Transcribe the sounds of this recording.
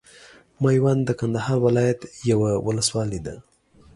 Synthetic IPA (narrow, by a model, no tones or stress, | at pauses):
majwand̪əkand̪ahɑɾwɪlɑjat̪jawawʊləswɑlid̪a̰